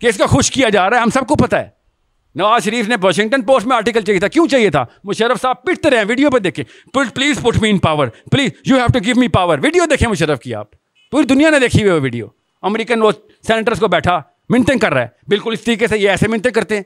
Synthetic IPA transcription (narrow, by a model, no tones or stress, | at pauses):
keɪskaxʊʃkijad͡ʒaːɾaɛɦɐmsɐb̚kopɐt̪aɛ̰ː | nɐʋaːzʃɐɾiːfneʋɔːʃɪ̃ŋʈənpoːsʈmẽaːɾʈɪk̬əlt͡ʃaːɦiet̪ʰakjũːt͡ʃaːɦiet̪ʰa̰ːmʊʃəɾːəfsaːb̚piːʈʰt̪eɾɛɦɛ̃ːʋiːɖijopɐɾd̪eːkʰẽ | ppliːzpʊʈmiɪ̃npaːʋəɾpliːzjuːɦɛːfʈuɡɪʋmipaːʋəɾʋiːɖijod̪eːkʰẽmʊʃəɾːəfkia̰ːp̚ | puːɾid̪ʊnijanẽd̪eːkʰiʋeoʋiːɖijo̰ː | ɐmɾiːkəno | sɛːnəʈəɾskobɛːʈʰa | mɪ̃nt̪ɪ̃ŋkɐɾːaɛ̰ːbɪlkʊlɪst̪ɾiːkesejeɛːsemɪ̃nt̪̬ɪ̃ŋkɐɾt̪ẽɦɛ̃ː